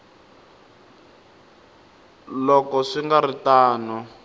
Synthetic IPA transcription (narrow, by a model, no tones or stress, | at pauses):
lɔkɔʂiŋɡaɾitaːnɔ